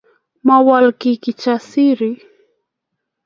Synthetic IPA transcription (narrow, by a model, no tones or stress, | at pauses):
mawalkikɪt͡ʃasɪɾɪ